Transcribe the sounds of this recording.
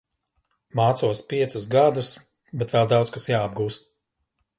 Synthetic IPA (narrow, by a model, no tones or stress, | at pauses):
maːt̪suɔspʲiɛt̪susɡad̪us | bɛt̪vɛlˠd̪awt̪skasjaːb̚ɡuːst̪̚